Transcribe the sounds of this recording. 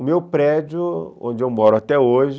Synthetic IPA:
ʊmewpɾɛd͡ʒʊõ̰d͡ʒɪewmɔɾʊat̪ɛoʒɪ

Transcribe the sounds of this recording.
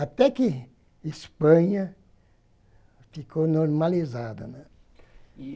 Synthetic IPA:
at̪ɛkɪ | ispɐ̃ɲɐ | fikʰonoɾmalizad̪ɐ̰nɛ̃

